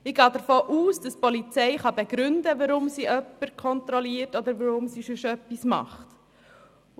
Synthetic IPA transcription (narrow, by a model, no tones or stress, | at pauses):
ɪɡ̥ɑːd̪əɾfoːʔuːsd̥ɑspɔlit͡sɛɪχɑbɛɡ̥ɾʏndəʋəɾʊmsiʔœpːəɾkʰɔnt̪ɾɔliəɾtɔd̪əɾʋəɾʊmsiʃʊʃœpːismɑ̰χt